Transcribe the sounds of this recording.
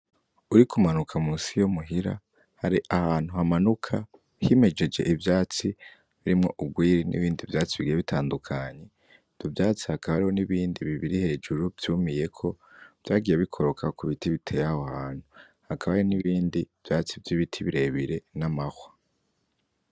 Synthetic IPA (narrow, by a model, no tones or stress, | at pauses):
uɾikʰumanukʰamusijomuɦiɾa̰ | haɾiʔahaːn̥huhamanukʰa | hime̞d͡ʒe̞d͡ʒeʔivjaːt͡si | βiɾimŋo̞ʔubɡwiːɾinḭβiːndivjaːt͡siβiɡijeβitʰaːndukʰaɲe̞ | d̥uvjaːt͡si̥hakaβaɾiho̞niβiːndiβiβiɾihe̞ːd͡ʒuɾuvjuːmije̞kʰo̞ | v̥jaːɡijeβikʰo̞ɾo̞kʰakuβitiβitʰe̞jahohaːn̥hu | hakʰaβajiniβiːndiv̥jaːt͡sivjiβitʰiβiɾeβiɾe̞namaxwḁ